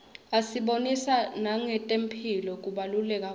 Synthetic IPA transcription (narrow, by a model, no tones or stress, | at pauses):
asiɓonisanaŋɛtʼempʰilɔk̬ʼuɓalulɛk̬ʼa